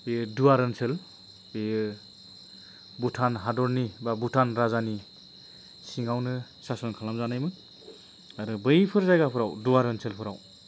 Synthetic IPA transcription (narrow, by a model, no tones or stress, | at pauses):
bejɯduaɾɯnsel | ejɯ | butʰanɦadɔɾnibabutʰanɾazani | siŋawnɯ | sasɔnkʰalamzanajmɯn | aɾɯbɯjpʰɯɾzajɡapʰɯɾawduwaɾɯnsʰelpʰɯɾaw